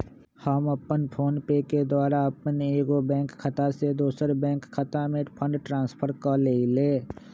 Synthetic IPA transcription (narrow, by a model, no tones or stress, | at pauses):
həmɐpənpʰoːnpeːked̪waːɾaɐpəneːɡobɛ̃ːŋkkʰːət̪ased̪oːsəɾbɛ̃ːŋkʰːət̪amẽpʰə̃ɳɖʈɾãːnspʰəɾkəleːileː